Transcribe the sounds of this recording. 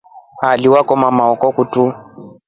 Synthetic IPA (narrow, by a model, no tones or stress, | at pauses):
aliwakʼɔmamaɔkɔkutʼu